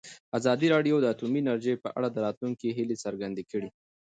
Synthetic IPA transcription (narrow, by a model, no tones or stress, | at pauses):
azɑd̪iɾɑɖjod̪əat̪uminaɾʒejpəʔa̰ɽad̪əɾɑt̪luŋkeɦilesəɾɡand̪ekəɽi